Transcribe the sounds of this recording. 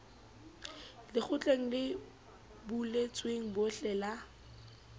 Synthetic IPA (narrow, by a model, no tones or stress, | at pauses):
lɪk͡xʰʊt͡ɬʼeŋ̩lɪ | bulet͡sʼweŋ̩bʊɬɛːla